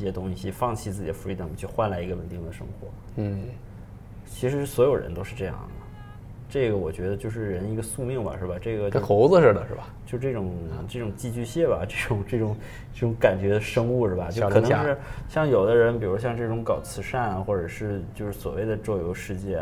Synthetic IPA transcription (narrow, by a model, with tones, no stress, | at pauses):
ɕjɛ˥t̪ʊ˥ŋɕɕi˨fɑ˥˧ŋt͡ɕʰi˥˧t͡sɹ̩˥˩t͡ɕi˨˩ə˦fu˧˥i˧˥t̪ə˨˩ŋ˧˦˩t͡ɕʰo˥˧xwa˥˩nla˧˥ɪi˧˥ɡə˧wə˨˩nt̪i˥˩ŋd̪ə˩ʂɤ̰˥ŋxwɔ̰˧˥˩ | t͡ɕʰi˧˥ʂɻ̩˧˥˩swɔ˧˥jo˨˩ʊɻə̰˧˥nt̪o˥ʊʂɻ̩˥˧ʈ͡ʂɤ˥˧jɑ̰˥˩ŋd̪ə˩ | ʈ͡ʂɤ˥˩ɡə˩wɔ˨˩t͡ɕɥɛ˧˥d̪ə˧t͡ɕjo˥˧ʊʂ̬ɻ̩˥˩ɻə˧˥ni˧˥ɡə˧su˥˧mi˥˩ŋbɐ̰˨˩ʂɻ̩˥˩ba˩ʈ͡ʂɤ˥˩ɡə˩t͡ɕo˥˧xo˧˥ʊzə˧ʂə˥˩d̪ə˩ʂɻ̩˥˩bɐ˨˩t͡ɕjo˥˧ʊʂ̩˥˧ʈ͡ʂɤ˥˩ʈ͡ʂʊ˨˩˦ŋʈ͡ʂɤ˥˩ʈ͡ʂʊ˨˩ŋt͡ɕi˥˧t͡ɕy˥˧ɕjɛ˥˩bɐ̰˩ʈ͡ʂɤ˥˩ʈ͡ʂʊ˨˩˦ŋʈ͡ʂɤ˥˩ʈ͡ʂʊ˧˩˥ŋ | ʈ͡ʂɤ˥˩ʈ͡ʂʊ˧˥ŋka˨˩nt͡ɕɥɛ˧˥d̪ə˧ʂɤ˥ŋu˥˧ʂɻ̩˥˩bɐ˩t͡ɕo˥ʊ˧kɤ˨˧˩n˧˥ɻ̩˥˧ɕjɑ˥˩ŋjo˨˩ʊd̪ə˦ɻə˧˥npi˨˩ɻu˧˥ɕjɑ˧ŋʈ͡ʂɤ˥˩ʈ͡ʂʊ˧˥ŋkɑ˨˩ʊt͡sʰɹ̩˧˥ʂa˥˩na˨˩xwɔ˥˩ʈ͡ʂə˨˩ʂɻ̩˥˩˧t͡ɕjo˥˧ʊʂɻ̩˥˩swɔ̰˨˩we˥˩ɪd̪ə˩ʈ͡ʂo˥˩jo˧˥ʊʂɻ̩˥˧t͡ɕjɛ˥˩